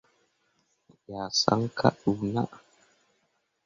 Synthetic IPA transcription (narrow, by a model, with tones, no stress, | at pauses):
ja˨sa̰˦ŋkʰa̰˦ɗu˨na˦ʔ